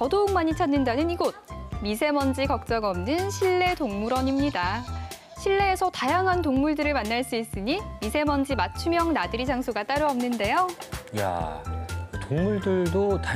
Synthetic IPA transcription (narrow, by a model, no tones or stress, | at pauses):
kʌdouŋmaɲit͡ɕʰanːɯndanɯniɡod̚mis̬ʰe̞mʌnd͡ʑikʌk̚t͡ɕ͈ʌɡʌmnɯnɕʰiɭːe̞toŋmuɾʌɲimɲida | ɕʰiɭːe̞ːsʰʌtajaŋɦantoŋmuɭdɯɾɯɭmanːaɭs͈uis͈ɯɲimisʰe̞mʌnd͡ʑimat͡ɕʰumjʌŋnadɯɾid͡ʑʰaŋsʰuɡat͈aɾɯʌmnɯnde̞joja̰ | toŋmuɭdɯɭdot